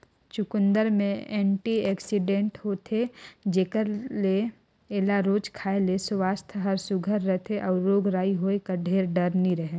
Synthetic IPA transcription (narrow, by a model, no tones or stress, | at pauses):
t͡ʃʊkʊ̃nd̪əɾmẽɛːɳʈiɛːksɪɖẽːɳʈɦot̪ʰed͡ʒeːkəɾle | eːlaɾoːd͡ʒkʰaːelesʋaːst̪ʰɦɐɾsʊɡʱəɾːət̪ʰeʔɔːɾːoːɡɾaːiɦoːekəɖʱeːɾɖəɾniɾəɦe